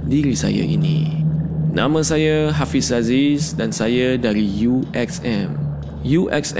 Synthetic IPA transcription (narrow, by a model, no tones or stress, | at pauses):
diɾisa̰ja̰ʔḭnḭ | nã̰məsajəɦafisazisdãnsajədaɾijuʔɛksɛ̃m | juʔɛ̰ksɛ